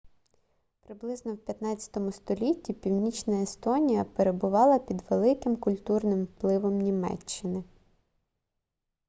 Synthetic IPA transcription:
pɾɪblˠɪznɔwpʲjɐt̪nɑt͡sʲɐ̥t̪ɔmʊst̪ɔlʲitʲːipʲiwnʲit͡ʃnɐest̪ɔnʲijɐpeɾebʊʋɑlˠɐpʲid̪ʋelˠɪkɪmkʊlʲt̪urnɪmwplˠɪʋɔmnʲimɛ̰t͡ʃːɪnɪ

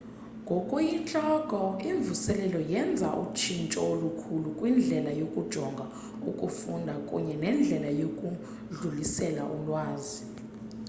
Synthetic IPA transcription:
ŋɡʱɔkʼujit͡ɬʼɔɡ̥ʱɔiɱvusɛlɛlɔjɛnd͡zʱaʔṵt͡ʃʰint͡ʃʼɔolukʰulukʼwind͡ɮʱɛlajokʼud̥ʒ̥ʱɔŋɡʱa | ukʼufundʱakʼṵɲɛnɛnd͡ɮʱɛlajokʼu | ɮulisɛla̰ʔulwaːzi

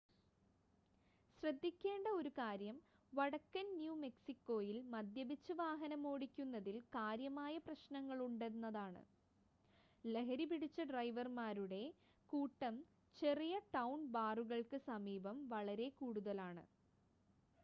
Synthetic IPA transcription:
ɕrɐd̪ːikʲːe̞ːɳɖɐo̞ɾukaːɾjɐm | ʋɐɽɐkːɐnnjuːme̞ksikːo̞ːjilmɐd̪jɐbit͡ɕːuʋaːɦɐnɐmo̞ːɽikʲːunːɐðilkaːɾjɐmaːjɐprɐɕnɐŋːɐɭuɳɖe̞ɾnːɐðaːɳɨ̰ | le̞ɦɐɾipiɽit͡ɕːɐɖrɐjʋɐrmaːɾuɽe̞ | kuːʈːɐm | t͡ɕe̞rijɐʈɐwnbaːruɣɐɭkɨsɐmiːbɐmʋɐɭɐɾe̞kuːɽuðɐlaːɳɨ̰

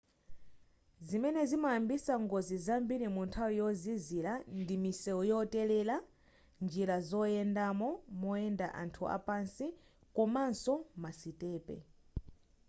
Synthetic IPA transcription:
zimɛnɛzimaambisaŋɡɔzizambiɾimuntʰawijɔzizilandimisɛwɔjɔtɛlɛla | nd͡ʒiɾazɔjɛndamɔmɔɛndaʔa̰ntʰuʔa̰pansikɔmansɔmasitʼɛːpɛ̰

